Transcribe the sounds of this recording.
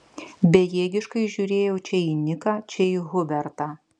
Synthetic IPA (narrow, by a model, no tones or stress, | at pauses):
bʲɛjeːɡʲɪʃkɐɪʒʲuːɾʲeːjɛʊt͡ʃʲɛiːnʲɪkɑːt͡ʃʲɛiɣʊbʲɛɾt̪ɑː